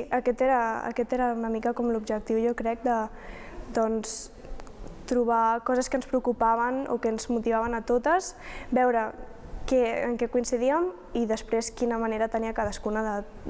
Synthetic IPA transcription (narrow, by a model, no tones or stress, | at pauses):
əkɛt̪eɾəə̰kɛt̪eɾəunəmikəkɔmlubʒək̚t̪iwʒokɾɛk̚d̪ə | d̪ɔns | t̪ɾuβ̞akɔzəskənspɾəukupaβ̞əno̰kənzmut̪iβ̞aβənət̪ot̪əsbɛwɾə | kɛə̰ŋkɛkuinsiðiəm | iðəspɾeskinəməneɾət̪əniəkaðəskunəðə